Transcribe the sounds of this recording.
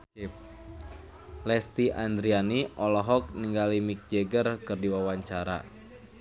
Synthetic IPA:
p | lɛst̪iʔand̪ɾianiʔɔlɔɦɔk̚niŋɡalimik̚d͡ʒeɡərkɨrdiwawaɲt͡ʃaɾa̰

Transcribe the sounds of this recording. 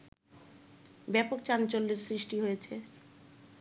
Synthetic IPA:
bɛpok̚t͡ɕant͡ɕolːeɾsɾiʃʈiɦojet͡ɕʰe

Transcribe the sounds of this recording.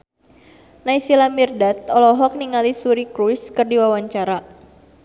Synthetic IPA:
naisilamirdat̪̚ɔlɔɦɔk̚niŋalisuɾikɾuskɨrdiwawaɲt͡ʃaɾa

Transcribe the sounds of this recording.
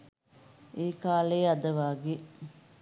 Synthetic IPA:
eːkaːleːad̪əʋaːɡe

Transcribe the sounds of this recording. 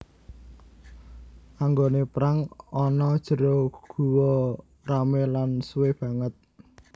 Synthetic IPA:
ʔaŋɡonepɾaŋɔnɔd̥ʒ̥ə̤ɾoɡ̥ṳwɔ | ramelansweb̥ä̤ŋət̪̚

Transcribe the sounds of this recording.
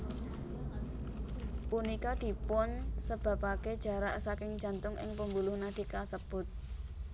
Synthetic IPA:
punikad̪̥i̤pɔnsəb̥a̤paked̥ʒ̥ä̤ɾaʔsakɪŋ̥d͡ʒ̥a̤nt̪ʊŋɪ̰ŋpəmbulʊhnad̪̥i̤kasəb̥ʊt̪̚

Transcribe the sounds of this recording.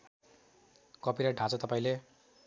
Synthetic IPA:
kʌpiɾaɖʱãt͡sʌt̪ʌpaĩle

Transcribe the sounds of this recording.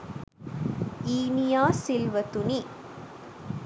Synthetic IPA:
iːnijaːsɪlʋɐt̪uni

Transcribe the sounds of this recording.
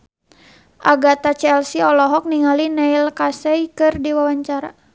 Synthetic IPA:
ʔaɡat̪at͡ʃɛɛlsiɔlɔɦɔk̚niŋalinɛilkasɛikɨrdiwawaɲt͡ʃaɾa

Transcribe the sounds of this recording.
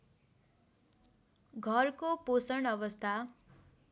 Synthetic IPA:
ɡʱʌrkoposʌɳʌβʌst̪ʰa

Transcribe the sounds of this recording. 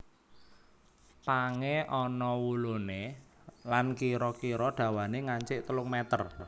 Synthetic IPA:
paŋeɔnɔwulune | lankiɾɔkiɾɔɖ̥ä̤waneŋaɲt͡ʃɪʔt̪əlʊŋmɛt̪ər

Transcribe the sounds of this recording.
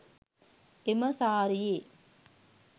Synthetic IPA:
ɪmɐsaːɾɪje

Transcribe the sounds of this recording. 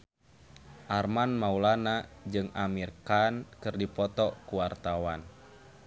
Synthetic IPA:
ʔarmanmaulanad͡ʒɨŋamirkankɨrdipɔt̪ɔkuwart̪awan

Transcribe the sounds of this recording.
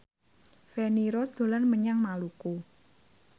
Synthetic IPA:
feniɾɔsd̪̥o̤lanməɲaŋmaluku

